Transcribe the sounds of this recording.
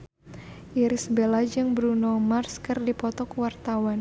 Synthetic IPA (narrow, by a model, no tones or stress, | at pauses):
ʔiɾisbelad͡ʒɨŋbɾunomarskɨrdipɔt̪ɔkwart̪awan